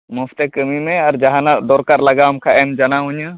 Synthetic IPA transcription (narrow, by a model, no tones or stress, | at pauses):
mɔfʰt̪ekəmimɛ̃aɾd͡ʒaɦãnad̪ɔɾkaɾlɐɡamkʰaʔɛmd͡ʒanaɦuɲa